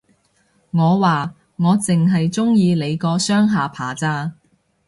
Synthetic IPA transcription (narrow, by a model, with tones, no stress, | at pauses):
ŋɔː˨˧waː˨ | ŋɔː˨˧t͡sɪ˨ŋɦɐ˨jt͡sʊ˥ŋjiː˧le˨˧jkɔː˧sœː˥ŋɦaː˨˧pʰa̰ː˨˩t͡saː˧˥